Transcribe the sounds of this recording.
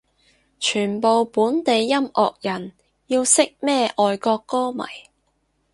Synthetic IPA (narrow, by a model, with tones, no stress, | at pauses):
t͡ʃʰyː˨˩npo˨wpuː˨˥nt̪e˨jːɐ˥mɔ̰ː˨k̚jɐ˨˩n | jiː˧wsɪ˥k̚mɛː˥ʔɔː˨jkɔː˧kːɔː˥mɐ̰˨˩j